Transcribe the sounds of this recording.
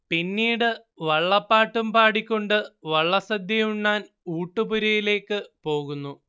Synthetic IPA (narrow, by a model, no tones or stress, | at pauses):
pinːiːɽɨ | ʋɐɭːɐpːaːʈːumpaːɽikʲːo̞ɳɖɨʋɐɭːɐsɐd̪jɐjuɳːaːn | uːʈːɨpuɾɐjile̞ːkːɨpo̞ːɣunːu